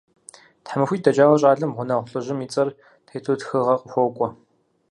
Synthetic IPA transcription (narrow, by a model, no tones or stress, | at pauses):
tħamɨxʷiːdɐd͡ʒaːʁɐɕʼaːɮɐmʁʷʊnɐʁʷʊɬʼɨʒɪmiːt͡sʼɐr | tʰejtʰoːtxɨʁɐqəxʷɔkʷʼɔ